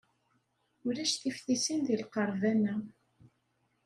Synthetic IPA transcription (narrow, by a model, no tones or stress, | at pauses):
ʊɾæʃθifθisinðilqəɾˤvænːæ